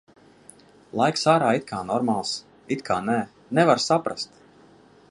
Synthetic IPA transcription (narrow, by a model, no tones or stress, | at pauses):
lˠajksaːɾaːit̪̚kʰaːnɔɾmalˠs | it̪kʰaːnɛ | nɛvaɾsapɾa̰st̪